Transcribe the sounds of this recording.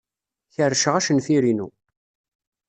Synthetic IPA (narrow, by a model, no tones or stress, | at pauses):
çərːʃʁæʃənfiɾinṵ